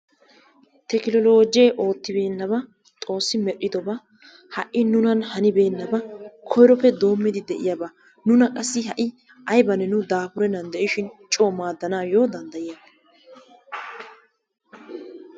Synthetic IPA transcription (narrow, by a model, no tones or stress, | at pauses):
t̪ɛkɪlɔlo̞ːd͡ʒɪjɛʔo̞ːt̪ːɪbe̞ːnːɐbɐ | t̪ʼo̞ːsːɪmɛɗːɪd̪ɔbɐ | hɐʔɪnʊnɐnhɐnɪbe̞ːnːɐbɐkʰɔjɾɔpːɛd̪o̞ːmːɪd̪ɪd̪ɛʔɪjɐbɐ | nʊnɐkʼɐsːɪɦɐʔɪ | ʔɐjbɐnɛnʊd̪aːpʊɾɛnɐnd̪ɛʔɪʃɪnt͡ʃʼoːmaːd̪ːɐnaːjoːd̪ɐnd̪ɐjen